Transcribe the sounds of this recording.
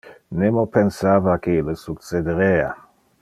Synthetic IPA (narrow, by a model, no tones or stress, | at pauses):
nemopensavakelesuksed̪eɾea